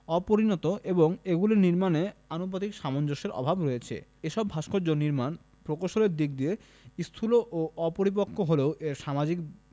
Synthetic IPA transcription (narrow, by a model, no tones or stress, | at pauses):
ɔpoɾinɔt̪oʔeboŋeɡuleniɾmaneanopat̪ikʃamond͡ʑoʃeɾʔɔ̰bʱabɾojet͡ɕʰḛeʃɔbʱaʃkʰod͡ʑonːiɾman | pɾokoʃoleɾd̪ik̚d̪ie | ist̪ʰuloʔoʔɔpoɾip̬okʰːoɦoleoʔeɾʃamad͡ʑik̚